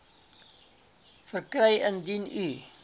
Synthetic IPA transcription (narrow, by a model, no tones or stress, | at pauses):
fərkrəjəndinyː